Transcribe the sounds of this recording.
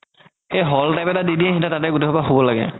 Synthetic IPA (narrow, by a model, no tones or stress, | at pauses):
ejɦɔltajpɛtadidiɛɦĩntatatɛɡuteɦɔpaɦobɔlaɡɛ̰